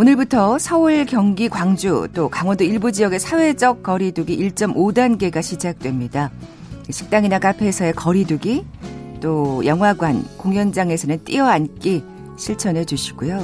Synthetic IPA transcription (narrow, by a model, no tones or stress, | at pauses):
onɯɭbutʰʌsʰʌɯɭkjʌŋɡikwaŋd͡ʑut͈okaŋwʌndoiɭbud͡ʑijʌɡe̞sʰawe̞d͡ʑʌk̚k͈ʌɾiduɡiʔiɭt͡ɕ͈ʌmʔodanɡe̞ɡaɕʰid͡ʑak̚t͈we̞mɲida | iɕʰi̥k̚t͈aŋinakapʰe̞sʰʌe̞kʌɾiduɡit͈ojʌŋɦwaɡwankoŋjʌnd͡ʑaŋe̞sʰʌnɯnt͈iʌank͈i | ɕʰiɭt͡ɕʰʌnɦe̞d͡ʑuɕʰi̥ɡ̥ujo